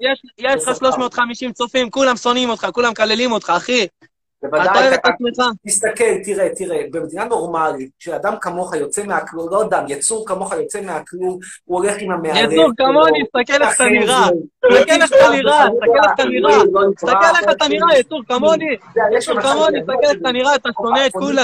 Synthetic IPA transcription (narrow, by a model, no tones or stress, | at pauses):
jeʃjeʃχaʃlo̞ʃmo̞ːt̪χamiʃimt͡sofimkulamso̞nimo̞t̪χakulamkalelimo̞t̪χaːχi | vevaaad̪avet̪asuχat̪ist̪akelt̪iʁet̪iʁebemed̪inano̞ʁmalit̪̚ʃead̪amkamo̞χajo̞t͡semeaklulod̪amjat͡suʁkamo̞χajo̞t͡semeaklumuoleχimhameajauʁkamonist̪akeleχt̪aniʁast̪akeleχat̪aniʁaist̪akelːet̪aniʁait̪akelːeχat̪aniʁajat͡suʁkamonijɛukamonist̪akeleχt̪aniʁaet̪aʃo̞net̪̚kula